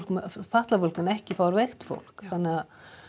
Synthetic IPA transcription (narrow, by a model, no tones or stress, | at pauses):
kmfat̪lafɔlkanɛhcɪfaɾvɛxt̪fo̰l̥khanːa